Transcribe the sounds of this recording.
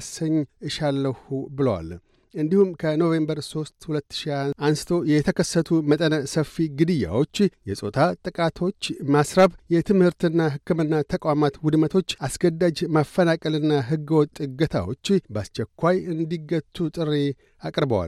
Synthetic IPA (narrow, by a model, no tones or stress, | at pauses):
səɲːʔɨʃalːəhubɨləwa̰l | ʔɨnd̪ihumkʰəno̞ve̞mbəɾso̞st̪hulət̪ːɨ̥ʃiaansɨ̥t̪ʰo̞jɛt̪ʰəkʰəsːət̪ʰumət̪ʼənəsəfiɡɨd̪ɨjːa̰wo̞t͡ʃːjɛsʼo̞t̪ʰat̪ʼɨkʼat̪ʰo̞t͡ʃːmasɾaβjɛt̪ʰɨmhɨɾt̪ɨnːaɦɨkːɨmɨnːat̪ʰəkʼʷamat̪wud̪mət̪ʰo̞t͡ʃːasɡəd̪ːad͡ʒmafːənakʼəlɨnːaɦɨɡːwɔt̪ʼːɨɡət̪ʰa̰wo̞̰t͡ʃːbast͡ʃːɛkʷːajɨnd̪iɡət̪ʰːut̪ʼɨrːe | akʼɾbəwa̰l